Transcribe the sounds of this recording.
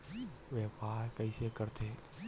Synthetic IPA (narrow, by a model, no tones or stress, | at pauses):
ʋɛpaɾkəɪsekəɾt̪ʰe